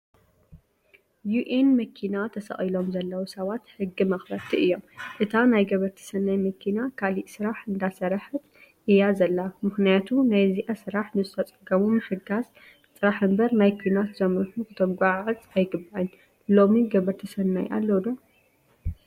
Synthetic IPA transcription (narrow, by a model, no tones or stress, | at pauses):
juʔenmɐkʰinat̪ʰɐsɐ̰χʼilo̞mzɐlːɐwusɐβat̪hɨɡːimɐxlɐt̪ʰiɨjːo̞mʔɨt̪ʰanajɡɐβɐɾt̪ʰɐ̥sɐnːajmɐkʰinakʰaliʔsɨɾaħɨnd̪asɐɾaħɨt̪ʔɨjazɐlːamɨxnijat̪ʰunajziʔasɨɾaħnɨzɨt̪ʰɐt͡sʼɐɡɐmumɨħɨɡas | sʼɨɾaħɨmbɐɾnajkʰʷinat̪zɐmɾɨħukɨt̪ʰɐɡʷaʕɨzʼajɡɨbaʕɨn | lo̞miɡɐβɐɾt̪ʰɐsɐnːa̰jʔa̰lːɐwd̪o